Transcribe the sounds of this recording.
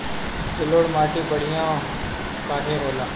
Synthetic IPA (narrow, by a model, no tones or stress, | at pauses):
t͡ʃəloːɽmaːʈiːpəɽ̤ɪjãː | paːʈʰeːɦoːlaː